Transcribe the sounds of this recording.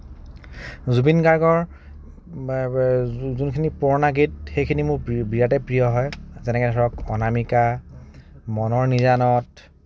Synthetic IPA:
zubinkaɹɡɔɹ | zunkʰinipɔɹnaɡit̚xejkʰinimʊɹbijatɛpɹijɔɦɔjzɛnɛkɛdʱɔɹɔkɔnamika | mɔnɔɹniɹanɔt̚

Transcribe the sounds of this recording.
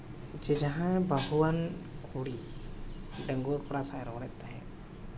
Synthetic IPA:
d͡ʒed͡ʒɐɦãbʱəɦwənkʰoːɽi | ɖə̃ŋɡuːɾkoɽasaɾɔ̃ːɽeːt̪eɦɛ̰̃ː

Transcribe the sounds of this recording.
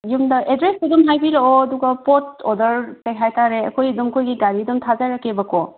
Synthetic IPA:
jumdaʔedɾesedumɦajbiɾɔɔːduɡapɔt̚ɔdɔɾtejɦajtʰaɾea̰kɔjdɔmkojɡiɡaɾidumtʰazajɾakebakɔ

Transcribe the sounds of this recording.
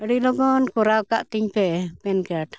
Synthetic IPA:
əɽilɔɡɔnkɔɾaɔkaʔt̪iɲpɛpɛnkaʈ

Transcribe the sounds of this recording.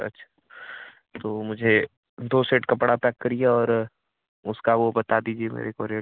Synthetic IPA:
ɐ̰tːʃʰḁ | t̪oːmʊd͡ʒʱe | d̪oːseːʈkɐpɽapɛːkːɐɾieɔːɾ | ʊskaʋobɐt̪ad̪iːd͡ʒiemḛːɾekɔːɾijə

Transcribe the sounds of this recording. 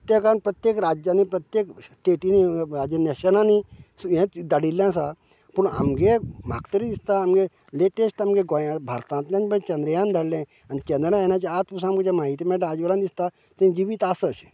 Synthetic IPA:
ət̪jekanpɾət̪jekɾad͡ʒjanipɾɐt̪jekʈeʈiniɾad͡ʒəneʃənanisjẽd̪aɽiljãs̬a | puɳa̰mɡema̰kt̪əɾid̪ist̪aːmɡe | leʈesʈamɡeɡojãbʱaɾt̪ãnt̪lʲãt͡ʃbət͡ʃɐ̃nd̪ɾəjãnd̪ʱaɽlẽ | anit͡ʃɐ̃nd̪ɾanãt͡ʃiat̪pus̬ãːmɡet͡ʃamaːɦit̪imɛ̃ʈaːd͡ʒʋəlãnd̪ist̪a | t̪əd͡ʒiʋit̪asəs

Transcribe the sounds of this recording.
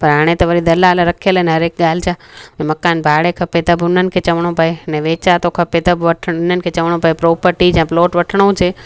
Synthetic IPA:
pɐɾɦaːɽ̃et̪ɐʋɐɾid̪ɐlaːlɾɐkʰeləɪnɦɐɾeːk̚ɠaːl̤ɪt͡ʃaːɛ̃mɐkaːnbʱaːɽekʰɐpet̪ɐbʊn̤ənɪ̆kʰeːt͡ʃɐʋəɽ̃opɐenɛ̃ʋeːt͡ʃat̪oːkʰɐpet̪ɐbʋɐʈʰʊn̤ənɪ̆kʰeːt͡ɕɐʋəɽ̃õpɐepɾoːpəɾʈid͡ʒɛ̃ːploːʈʋɐʈʰɽ̃od͡ʒeː

